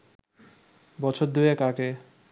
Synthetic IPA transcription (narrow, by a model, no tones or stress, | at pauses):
bɔt͡ɕʰoɾd̪uekake